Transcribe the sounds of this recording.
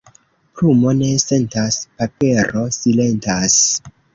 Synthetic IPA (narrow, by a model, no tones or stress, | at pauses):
pɾumo̞ne̞se̞ntaspape̞ɾo̞sile̞ntas